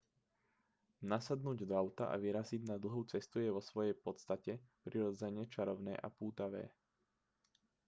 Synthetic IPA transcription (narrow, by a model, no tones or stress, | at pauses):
nasad̪nuːɟd̪ɔaʊt̪a̰ʔa̰ʋiɾaziɟnad̪l̩ˠɦuːt͡sɛst̪ujɛʋɔsʋɔjɛjpɔt͡st̪acɛpɾiɾɔd͡zɛɲɛt͡ʃaɾɔʊnɛ̰ːʔa̰puːt̪aʋɛ̰ː